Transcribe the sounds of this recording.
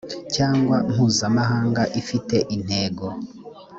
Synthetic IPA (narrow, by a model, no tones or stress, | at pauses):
caːŋɡwam̥huːzamaɦaːŋɡaʔifite̞ʔin̥he̞ːɡo̞